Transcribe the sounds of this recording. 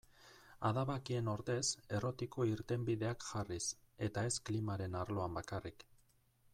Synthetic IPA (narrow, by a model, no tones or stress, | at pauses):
aðaβakie̞no̞ɾt̪e̞se̞ro̞t̪iko̞iɾt̪e̞mbiðe̞akʝaris | e̞t̪ae̞sklimaɾe̞naɾlo̞ambakarik